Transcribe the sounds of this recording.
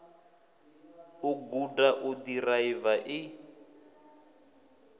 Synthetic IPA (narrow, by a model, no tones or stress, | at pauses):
ʊɡudaʔʊdiraivaʔɪ